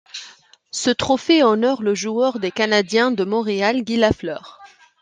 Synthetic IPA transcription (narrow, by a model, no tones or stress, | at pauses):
sət̪χɔfeɔnɔʁləʒuœʁd̪ekanad̪jɛ̃d̪əmɔ̃ʁealɡʲilaflœːʁ